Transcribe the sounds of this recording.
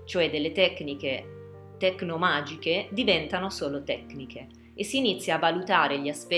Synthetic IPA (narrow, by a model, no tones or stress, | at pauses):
t͡ʃoɛd̪ːelːet̪ɛkːnike | t̪ɛknomaːd͡ʒiked̪ivɛnt̪anosoːlot̪ɛkːnikʰe | esːiːnit̪sːjaːvːalut̪aːɾeʎiaspɛ